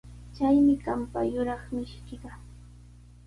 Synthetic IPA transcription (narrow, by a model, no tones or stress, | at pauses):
t͡ʃajmɪkampa̰jʊɾɑχmɪʃkɪɢɑ